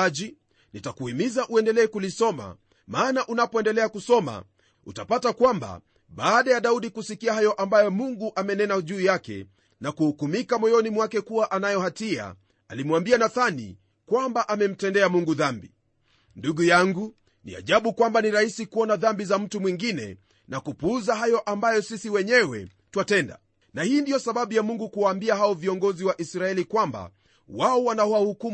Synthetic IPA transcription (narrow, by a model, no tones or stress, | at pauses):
ʄi | nitakuhimizaʔuɛndɛlɛːkulisɔma̰ | maːnaʔunapɔɛndɛlɛakusɔma̰ | ṵtapatakwamba̰ | ɓaːɗajaɗauɗikusikiahajɔʔambajɔmuŋɡuʔamɛnɛnaʄuːjakɛ̰ | nakuhukumikamɔjɔnimwakɛkuwaʔanajɔhatia̰ | alimwambianaθanḭ | kwambaʔamɛm̩tɛndɛamuŋɡuðambi | nduɡujaŋɡu | nḭa̰ʄaɓukwambaniɾahisikuɔnaðambizam̩tumwiŋɡinɛ̰ | nakupuzaɦajɔʔambajɔsisiwɛɲɛwɛ̰tuwatɛnda̰ | nahiːndijɔsaɓaɓujamuŋɡukuwaːmbiahaɔviɔŋɡɔziwaʔisɾaɛlikwamba̰ | waɔwanahwahukum